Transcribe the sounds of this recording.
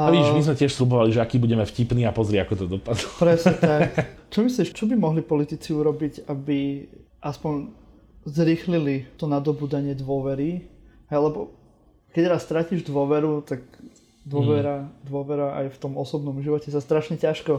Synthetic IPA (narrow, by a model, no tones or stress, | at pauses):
imizmɛcɛʃslubɔʋaliʒɛakiːbuɟɛmɛfcipniːapɔzɾɪɛakɔt̪ɔd̪ɔpad̪lɔpɾɛsɛt̪akt͡ʃɔmisliʃt͡ʃɔbimɔɦlipɔlit̪it͡siuɾɔbiɟabi | ʔaspɔɲ | zɾixlilit̪ɔnad̪ɔbuːd̪aɲɪɛd̪ʋɔʋɛɾiɦɛjlɛbɔ | kɛcɾast̪ɾaciːʒd̪ʊɔʋɛɾut̪aɡ | d̪ʊɔʋɛɾad̪ʊɔʋɛɾaʔa̰jft̪ɔmɔsɔbnɔmʒiʋɔcɛsast̪ɾaʃɲɛcaʃkɔ